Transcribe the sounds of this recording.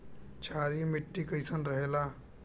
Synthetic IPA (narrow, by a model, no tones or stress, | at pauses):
t͡ʃʰaɾimiʈːikəjsənɾəɦela